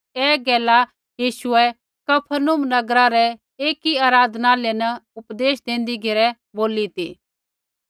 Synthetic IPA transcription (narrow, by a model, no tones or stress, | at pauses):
ɛːɡɛːla | jiːʃʊɛ | kɐpʰənʊmnɐɡɾaɾɛ | eːkiaːɾaːd̪ʱnaːlenɐʊpd̪eːʃd̪ẽːnd̪iɡʱeɾɛ | boːlit̪iː